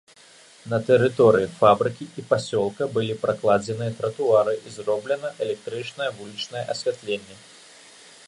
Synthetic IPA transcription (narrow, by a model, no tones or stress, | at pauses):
nɐt̪ɛɾɨt̪ɔɾɨjifabɾɨkʲiʔipasʲɔlˠkɐbɨlʲipɾaklˠad͡zʲɛnɨjɐt̪ɾɐt̪uaɾɨʔizrɔblʲɛn̪ɐʔɛlʲɛk̚t̪ɾɨt͡ʂnɐjɐvulʲit͡ʂnɐjɛʔɐsʲvʲat̪lʲenʲːɛ